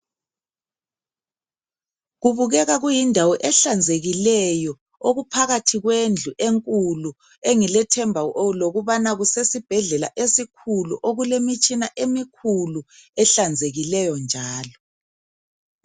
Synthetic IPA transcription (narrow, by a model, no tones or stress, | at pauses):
ɣuβuɣɛɣaɣujindʱawɔʔɛɬand͡zʱeɣilɛjɔ | oɣupʰaɣatʰiɣwend͡ɮʱuʔeŋkʼulu | eŋilɛtʰɛmbʱaʔoloɣuβanaɣusesib̥ʱɛɮɛla̰ʔesikʰulṵʔoɣulemit͡ʃʼinaʔemikʰuluɛɬand͡zʱeɣilɛjɔnd͡ʒʱaːlɔ